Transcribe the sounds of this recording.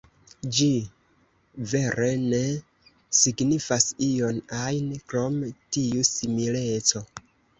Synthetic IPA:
d͡ʒi | ve̞ɾe̞ne̞ | siɡnifasio̞najnkɾo̞mtiusimile̞t͡so̞

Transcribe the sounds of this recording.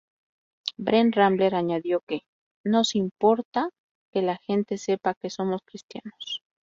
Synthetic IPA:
bɾenramble̞ɾaɲaðjo̞ke̞ | no̞simpo̞ɾt̪a | ke̞laxe̞nt̪e̞se̞pake̞so̞mo̞skɾist̪ja̰nos

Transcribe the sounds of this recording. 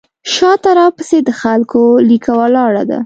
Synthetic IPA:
ʃɑt̪aɾɑpəsed̪əxalkolikʰawalɑɽa̰d̪a̰

